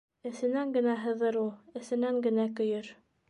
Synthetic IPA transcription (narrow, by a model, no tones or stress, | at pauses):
ɘ̆θɘ̆næŋɡɘ̆næɦɤ̆ðɤɾulˠɘ̆sɘ̆næŋɡɘ̆nækɵ̆jɵɾ